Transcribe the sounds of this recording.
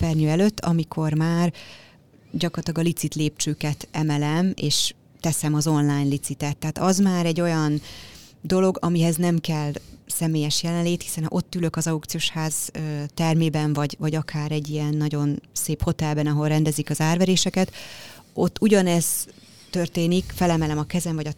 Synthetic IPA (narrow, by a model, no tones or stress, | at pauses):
ɛrɲøɛløt̪ːɒmikʰo̞rmaːr | ɟɒkorɒt̪lɒɡɒlit̪sit̪leːp̚t͡ʃøːkɛt̪ɛmɛlɛmḛːʃ | t̪ɛsɛmɒzo̞nlaːjnlit̪sit̪ɛt̪ːɛɦaːt̪ɒzmaːɾɛɟːo̞jɒnd̪o̞lo̞ɡɒmiɦɛznɛmkɛlsɛmeːjɛʃjɛlɛnleːt̪hi̥sɛnhɒ̰ʔo̞t̪ːylø̞kɒzɒwk̚t̪sijoːʃhaːz̥øːt̪ɛrmeːbɛɱvɒɟvɒɟɒkʰaːɾɛɟːijɛnːɒɟo̞nseːpho̞t̪ɛlbɛnɒɦo̞lrɛnd̪ɛzikɒzaːrvɛɾeːʃɛkɛt̪o̞t̪ːuɟɒnɛz̥ | t̪ø̞rt̪eːnikfɛlɛmɛlɛmɒkɛzɛɱvɒɟɒ